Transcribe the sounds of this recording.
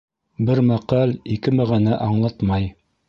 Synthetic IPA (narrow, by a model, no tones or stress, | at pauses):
bɘɾmæqɑlikɘmæʁænæʔɑɴlˠɑt̪mɑj